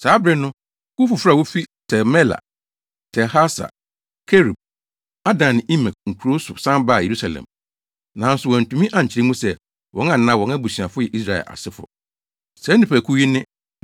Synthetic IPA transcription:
saː˨˦bɾɪ˦nʊ̃˦ | kʊ˦fʊ˨fɾa˦˨wo˦fi˦tʰɛ˨mɛ˦la̰˨ | tʰɛ˨ha˦sa̰˨ | kʰe˦ɾi˨b̚ | a˦dã˨n˨i˦ma˨k̚ŋ̩˨kʰu˨ɾo˦sʊ̰˨sã˦mba˦˨je˨ɾu˦sa˨lɛ̰̃˨m | nã˨n̩˦sʊ˨wɔ̃˨n̩˨tũ˨mĩ˦ʔã˨ɲ̩˨t͡ɕʰɪ˨ɾɪ˦mũ˦sɛ˦ | wʔɔ̃˦ŋã˦˨nã˦wɔ̃˨˦na˦bu˨si˨a˨fʊ˦jɛ˨ʔi˦s̬ɾa˨ɛ̰˨lʔa̰˨sɪ˦fʊ̰˨ | sɛ˨˦nɪ̃˨pæ˨kʰu˦ji˦nɪ̃˦

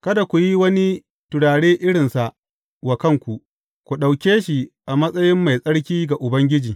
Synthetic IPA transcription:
kɐ˦da˨kʷu˨ji˦wɐ˦ni˦ | tʊ˨ɽaː˨ɽeː˦ʔɪ˦ɽɪ˨nsa˨ʔ | wa˨kɐ˦ŋkʷu˨ʔ | kʷu˨ɗa˨wkʲeː˦ʃi˨ʔa˨mɐ˦sʼɐ˦jɪ˦mːa˨jsʼɐ˦ɽk̬ʲiː˦ɡa˨ʔʊ˨bɐ˦ŋɡʲɪ˦d͡ʒiː˨

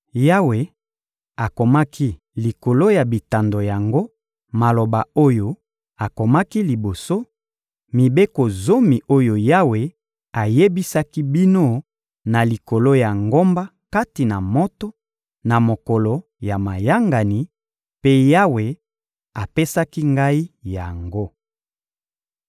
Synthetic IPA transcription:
ja˦we˨ | a˨ko˨ma˦ki˦ | li˨ko˨lo˦ja˨bi˨ta˨ndo˨ja˨ŋɡo˦ | ma˨lo˨ba˨o˦jo˦ | a˨ko˨ma˦ki˦li˨bo˨so˦ | mi˨be˦ko˨zo˦mi˨ʔo˦jo˨ja˦we˨ | a˨je˦bi˦sa˦ki˦bi˦no˦˨ | na˨li˨ko˨lo˦ja˨ŋɡo˦mba˦ | ka˦ti˨na˨mo˦to˦ | na˨mo˨ko˨lo˨ | ja˨ma˨ja˦ŋɡa˨ni˨˦ | pe˦ja˦we˨ | a˨pe˦sa˦ki˦ŋɡa˦i˦ja˨ŋɡo˦

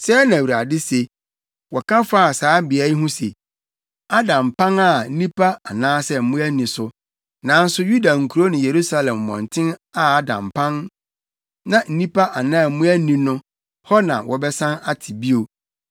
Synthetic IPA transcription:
sɛ˦nã˨wu˨ɾa˨dɪ˦se˨ | wɔ˨kʰã˦fa˦˨saː˨˦bɪ˨æ˨˦i˦ɦʊ̃˦se˨ | a˦dã˨mpã˦na˦˨n̩˦nĩ˦pʰa˦a˨nãː˦sɛ˦m̩˦mũ˦æ˦nĩ˨sʊ˨ | nã˨n̩˦sʊ˦ju˦da˨ŋ̩˨kʰu˨ɾo˦nɪ̃˨je˨ɾu˦sa˦lɛ̃˨mː˨ɔ̰̃˨n˨tʰɪ̃˦na˦a˦dã̰˨mpʰã˦n | nã˨n̩˦nĩ˦pa˦ʔa˨nãː˦˨m̩˦mũ˦æ˦nĩ˨nʊ̃˦ | hɔ˦nã̰˨wʔɔ˨bɛ˦sã˦na˦tʰɪ˨bi˦o˨

